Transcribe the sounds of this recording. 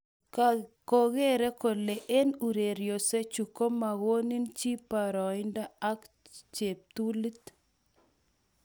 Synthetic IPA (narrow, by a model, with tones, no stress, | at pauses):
ko˨ɣe˦ɾe˦ko˨le˨ʔe˦nu˨ɾe˨ɾjo˨se˦t͡ʃu˨ko˦ma˨ɣo˦ni˦nt͡ʃi˦pa˨ɾɔ˨ɪ˦nda˦a˦k | t͡ʃe˨p̚t̪u˦li˦t̪